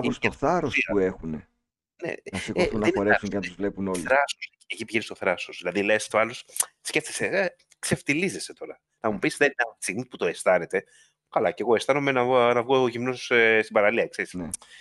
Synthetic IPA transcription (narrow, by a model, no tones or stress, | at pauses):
st̪oθɐɾosuexune | nḛnɐsikθunnːɐenoɾesuncenɐt̪uzvle̞puno̞liɾɐsos | ecipiʝenist̪o̞θɾɐsosðilɐðilest̪oɐlo̞s | sce̞ft̪esee | kse̞ft̪ilize̞se̞t̪o̞ɾɐ | nɐmupisðenineɐt̪ist̪iɣmiput̪o̞e̞st̪ɐne̞t̪e̞ | kɐlɐce̞ɣo̞e̞st̪ɐno̞menɐnɐvɣoʝimnossst̪ibɐɾɐliɐkseɾisne